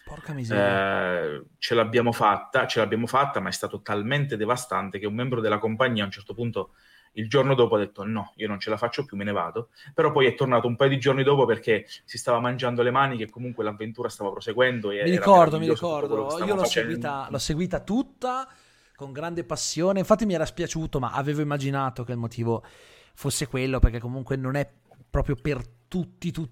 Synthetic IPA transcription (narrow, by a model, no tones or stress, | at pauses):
porkamiz | t͡ʃelaːbːjaːmofat̪ːat͡ʃelaːbːjaːmofat̪ːamaɛst̪aːt̪ot̪alment̪ed̪evast̪ant̪ek̟eumːɛmbɾod̪elːakompaɲːiːaunt͡ʃɛrt̪opunt̪o | ild͡ʒornod̪oːpoad̪ːet̪ːonɔiːonont͡ʃelafat͡ʃːopjumːineva̰ːt̪opeɾɔpːɔjɛt̪ːornaːt̪oumpajod̪id͡ʒornid̪oːpoperk̟esist̪aːvamand͡ʒand̪olemaːnik̟ekːomuŋkwelavːent̪uːɾast̪aːvapɾoseɡwɛnd̪oeɛmiɾiɾkɔrd̪omiɾikɔrd̪osiːolɔsːeɡwiːt̪alɔsːeɡwiːt̪at̪ut̪ːa | koŋɡɾand̪epasːjoːneiɱfat̪ːimiɛːɾaspjat͡ʃuːt̪oma̰ʔaveːvoimːad͡ʒinaːt̪okeilmot̪ʰiːvo | fosːekwelːoperk̟ekːomuŋkwenonɛ | pːɾɔːpɾjopert̪ut̪ːit̪u